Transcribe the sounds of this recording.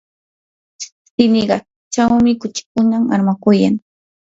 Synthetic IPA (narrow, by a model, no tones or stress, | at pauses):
sɪnɪɢɑ | t͡ʃawmɪkʊt͡ʃɪ̥kʊnama̰ɾmakʊjaŋ